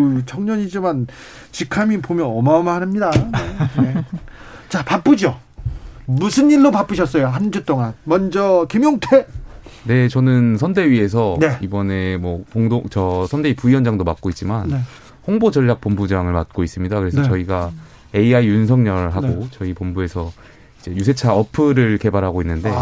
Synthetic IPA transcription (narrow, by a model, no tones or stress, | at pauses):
t͡ɕʰʌŋɲʌɲid͡ʑiman | t͡ɕikʰamipomjʌnʌmamanɯmɲidane | t͡ɕapap͈ɯd͡ʑjo | musʰɯniɭːopap͈ɯɕʰʌs̬͈ʌjoɦand͡ʑut͈oŋanmʌnd͡ʑʌkemjoŋtʰene̞t͡ɕʌnɯnsʰʌnde̞ɥie̞s̬ʰʌnibʌne̞mwʌkoŋdoŋt͡ɕʌsʰʌnde̞ipuiwʌnd͡ʑaŋdomat̚k͈oit̚t͡ɕ͈imane | hoŋbod͡ʑʌʎːjak̚p͈ombud͡ʑaŋɯɭmat̚k͈ois͈ɯmɲidakɯɾe̞sʰʌt͡ɕʌiɡa | e̞iaijuns̬ʰʌŋɲʌɭɦaɡot͡ɕʌipombue̞sʰʌ | id͡ʑe̞jus̬ʰe̞t͡ɕʰaʌpʰɯɾɯɭke̞baɾɦaɡoinːɯnde̞